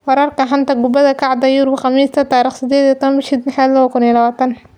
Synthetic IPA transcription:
wɑɾaːrkɐħant̪ɐɡʊbɐðɐkʰaʕd̪ɐjuɾbχɑmiːst̪ʰɐt̪aːɾiːχsɪd̪ɛːd̪ijt̪ʰːɐmbɪʃid̪nɪħad̪lɐwɐkʊnijɛlɐβaːt̪ʰɐn

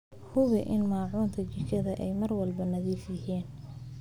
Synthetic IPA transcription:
hʊβɪʔɪnmaːʕuːnt̪ʰɐt͡ʃɪt͡ʃɐðɐʔɛjmɐrwɐlbɐnɐðiːfjɪɦiːn

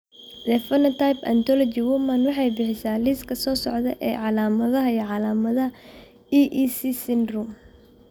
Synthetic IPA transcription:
d̪ɛfɐnɐt̪ʰajpɐ̰nt̪ʰɔlɔt͡ʃɪwʊmɐnwɑħɑjbɪħɪsaːlɪskʰɐsɔːsɔʕd̪ɐʔɛːʕɑlaːmɐðɐɦɐiɔʕɑlaːmɐðɐɦɐ | iʔisisɪnrum

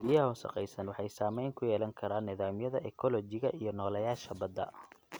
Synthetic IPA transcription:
ɪjɐʊsɐ̰qɛ̰jsɐnwɑħɑjsaːmɛjŋkʰʊjɛːlɐŋkʰɐɾaːnːɪðaːmjɐðɐʔɛkʰɔlɔt͡ʃɪɣɐʔijɞnɔːlɐjaːʃɐbɐd̪ːɐ̰

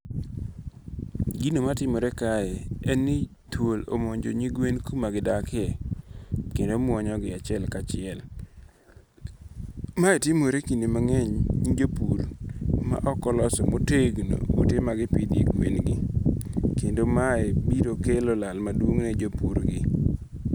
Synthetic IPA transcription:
ɡinomatɪmoɾɛkaɛɛnɪ | tʰwolo̰moɲd͡ʒoɲiɡwenkumaɡɪdakɛ | kendomwɔɲɔɡɪat͡ʃɪɛlkat͡ʃɪɛl | maɛtɪmoɾekindemaŋɛɲɲid͡ʒopurma̰ʔɔkɔlɔsɔmoteɡno̰wo̰temaɡɪpidḛɡwenɡɪ | kendomaebiɾokelolalmadwoŋnɛd͡ʒopuɾɡɪ

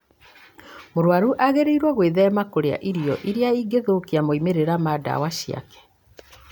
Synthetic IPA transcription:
moɾwaɾuʔaɣeɾeiɾwaɣweːðɛmakoɾea̰ʔiɾijɔʔiɾeaiɡeðoːkiamoimeɾeɾamada̰waɕia̰kɛ̥

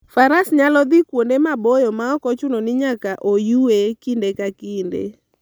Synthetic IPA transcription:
faɾasɲalɔd̪ikwondemabojɔmaɔkɔt͡ʃʊnɔnɪɲakaʔojuekindekakindḛ

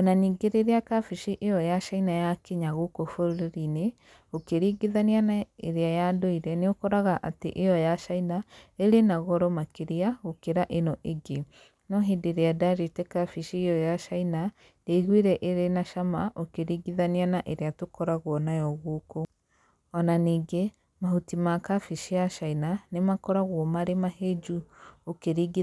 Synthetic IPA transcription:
onaniːɡeɾeɾeakafiʃiʔejɔjaʃainajakeɲaɣokofoɾoɾeɾine | okeɾiːɡeðanianaeɾeajadoiɾɛneokɔɾaɣaʔatḛʔejɔjaʃainaeɾenaɣɔɾɔmakeɾiaɣokeɾaʔenɔʔeɡe | nɔɦideɾeadaɾetɛkafiʃiejɔjaʃaina | jeiɣwiɾɛʔeɾenaʃamaʔokeɾiɡiðanianaʔeɾeatokɔɾaɣwɔnajɔɣoko | ɔnaniːɡe | mahutimakafiʃijaʃainanemakɔɾaɣwɔmaɾemaɦed͡ʒuokeɾiɡi

